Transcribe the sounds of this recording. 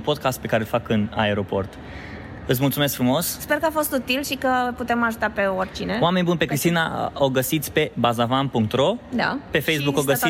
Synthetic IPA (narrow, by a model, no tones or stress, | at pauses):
po̞d̪̚kast̪pe̞kaɾelfakɨna̰eɾo̞po̞̰rt̪ | ɨt̪smult̪sumesk̚fɾumo̞ssperkəafo̞st̪ut̪ilʃikəput̪e̞maʒut̪ape̞orʲt͡ʃineoame̞nʲbunpe̞kɾist̪ina̰oɡəsit̪sʲpe̞bazavampuŋk̚t̪ɾo̞d̪a̰pe̞fejs̬bukoɡəsi